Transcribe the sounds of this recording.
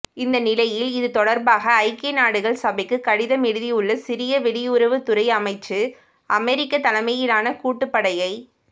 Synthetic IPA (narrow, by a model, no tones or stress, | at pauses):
ɪnd̪ɐnɪlɐjɪlɪðɯt̪ɔɽɐɾbaːɣɐːɪkːɐnaːɽɯɣɐɭsɐbɐɪkːɯkːɐɽɪðɐmɛɽɯðiʊɭːɐsɪɾɪjɐʋɛɽɪʊɾɐʋɯt̪ʊɾɐɪɐmɐɪt͡ʃːɯ | ʔɐmɛɾɪkːɐt̪ɐlɐmɐjɪlaːnɐkuːʈːɯpːɐɽɐjɐɪ